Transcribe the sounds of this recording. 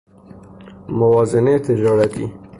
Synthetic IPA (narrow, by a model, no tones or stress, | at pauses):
mʊwɑːzɪnet̪ɪd͡ʒɑːɾat̪ḭ